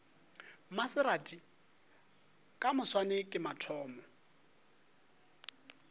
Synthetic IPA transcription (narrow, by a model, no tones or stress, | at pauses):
masɪɾatʼi | kʼamʊswanɛkʼɪmatʰɔːmɔ